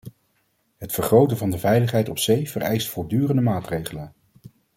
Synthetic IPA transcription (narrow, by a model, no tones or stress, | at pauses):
ɦətfəɹχrowtənvɑndəvɛjləχɦɛjtɔpsejv̥ərɛ̰jstfɔɹdyːrəndəmaːtrejχələn